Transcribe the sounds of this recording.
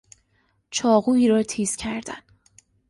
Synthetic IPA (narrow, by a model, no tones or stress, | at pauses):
t͡ʃʰɒːɣuːiːɾɒːt̪ʰiːscʰæɾd̪̥æ̰n